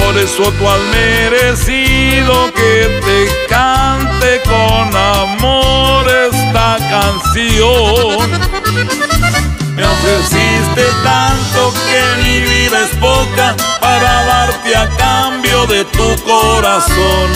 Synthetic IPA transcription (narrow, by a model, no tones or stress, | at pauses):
poɾesot̪walmeɾesiðoket̪e | kant̪ekonamoɾest̪akansjon | efesist̪et̪ant̪o̞keβiβiβespokapaɾaðaɾt̪eakambjo̞ðe̞t̪ukoɾason